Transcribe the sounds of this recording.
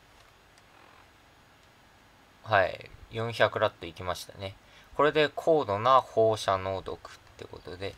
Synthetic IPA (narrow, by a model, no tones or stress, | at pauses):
haḭjõ̞ɰ̃çakɯ̟ɾat̪ːo̞ikʲimaɕi̥t̪a̰ne̞ | ko̞ɾe̞d̪e̞kʰo̞ːd̪o̞naho̞ːɕano̞ːd̪o̞̰kɯ̟̥t̪ːe̞ɯko̞t̪o̞d̪e̞